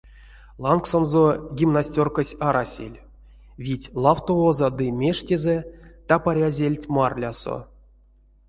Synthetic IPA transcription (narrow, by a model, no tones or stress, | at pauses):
lˠanksonzoɡʲimnasʲtʲorkəsʲaɾasʲḛlʲ | vʲitʲlˠaft̪oozad̪ɨmʲeʂtʲezet̪apaɾʲazʲelʲtʲmarlʲaso̰